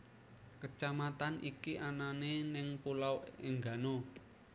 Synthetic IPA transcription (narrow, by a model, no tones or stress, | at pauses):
kət͡ʃamat̪anʔḭkiʔananenɪŋpulawɪŋɡa̤no